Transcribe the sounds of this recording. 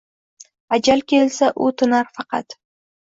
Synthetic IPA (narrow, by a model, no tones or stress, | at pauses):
ad͡ʒalkʲʰelsaʔʊt̪ʰʊnaɾfɑqʰɑt̪